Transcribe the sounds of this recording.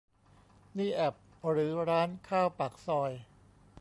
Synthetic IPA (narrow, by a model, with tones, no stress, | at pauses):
niː˥˩ʔɛ˨˩p̚ | ɾɯː˩˦ɾaː˦˥nkʰaː˥˩wpa˨˩k̚sɔː˧j